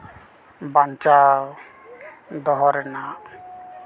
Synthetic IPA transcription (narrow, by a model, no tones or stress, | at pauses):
bant͡ʃa | d̪ɔɦɔɾna